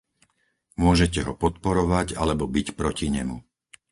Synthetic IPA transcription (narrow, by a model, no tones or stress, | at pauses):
mʊɔʒɛc̬ɛɦɔpɔt̪pɔɾɔʋaɟa̰lɛbɔbicpɾɔciɲɛmṵ